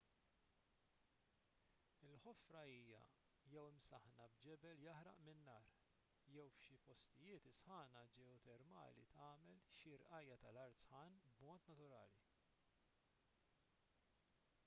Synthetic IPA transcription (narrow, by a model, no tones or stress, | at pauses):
ɪlħɔfɾɐiːjɐ̰ | jɛwɪmsɐħnɐbd͡ʒɛbɛljɐħɾɐ̰ʔmɪnːɐːɾ | jɛwfʃipɔst̪ɪjɪːt̪ɪsħɐːnɐd͡ʒɛɔt̪ɛɾmɐ̰ːlḭt̪ɐːmɛlʃiɾʔɐjːɐt̪ɐlɐɾt̪sħɐːnbmɔːt̪nɐt̪ʊɾɐ̰ːli